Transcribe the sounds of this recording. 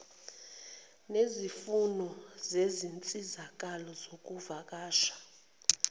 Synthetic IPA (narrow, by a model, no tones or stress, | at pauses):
nezifunɔzezint͡sʼizak̬ʼalɔzok̬ʼuvak̬ʼaːʃḁ